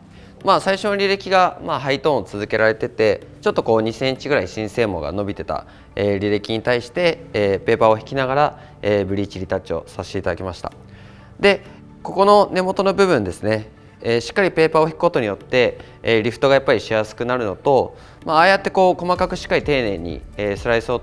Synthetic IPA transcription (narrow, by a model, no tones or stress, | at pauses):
maːsaiɕo̞noɾʲiɾe̞kʲiɡamaɦait̪o̞ːnt͡sɨzɨke̞ɾaɾe̞t̪e̞t̪e̞t͡ɕo̞t̪ːo̞ko̞ːɲ̟isẽ̞ɲt͡ɕiɡɯɾaiɕĩɰ̃se̞ːmo̞̰ɡa̰no̞bʲit̪e̞t̪a̰ | eːɾʲiɾekʲiɲ̟it̪aiɕi̥t̪e̞ːpe̞ːpao̞çi̥kʲinaɡaɾa | eːbɯ̟ɾʲiːt͡ɕiɾʲit̪at͡ɕio̞saɕt̪eit̪ad̪akʲimaɕi̥t̪a̰ | d̪e̞ | ko̞ko̞no̞ne̞mo̞t̪o̞no̞bɯ̟bɯ̟̃nd̪e̞sɨne̞ː | ɕi̥kːaɾʲipe̞ːpao̞çi̥kɯ̟̥ko̞t̪o̞ɲ̟ijo̞t̪ːe̞ | ɾʲiɸɯ̟̥t̪o̞ɡajapːaɾʲiɕijasɨ̥kɯ̟naɾɯ̟no̞t̪o̞ | maːjat̪ːe̞ko̞ːko̞makakɯ̟ɕi̥kːait̪e̞ːne̞ːɲ̟ḭeːsɨɾaiso̞ː